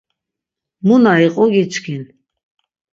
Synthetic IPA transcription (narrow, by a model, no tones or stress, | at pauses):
munaiqʼɔɡit͡ʃʰkʰin